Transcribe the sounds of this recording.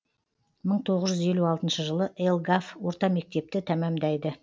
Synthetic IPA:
məɴt̪ʰo̞ʁəzʒʏze̞luɑlˠt̪ənʃəʒəlˠəʔelˠɡafwo̞ɾt̪ɑme̞k̚t̪e̞p̚t̪ɪt̪ʰæmæmd̪æjd̪ə

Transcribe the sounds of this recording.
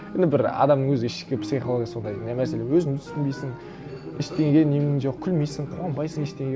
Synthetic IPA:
end̪ɪbɪɾɑ̰d̪ɑmnəŋwɵzɪɪʃkʲɪpsiχolˠoɡʲjɑso̞nd̪ɑjd̪næmæse̞lewɵzɪnt̪ʰʏst̪ɪmbejsɪŋ | ɪʃt̪eŋɡʲenemɪnʒoq̚kʲʰʏlmejsɪŋqʰoɑmbɑjsəŋeʃt̪eŋɡʲe

